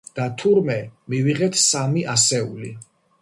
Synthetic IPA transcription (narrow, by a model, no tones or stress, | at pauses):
d̪̥at̪ʰuɾmɛmiviʁɛt̪ʰsamiʔasɛuli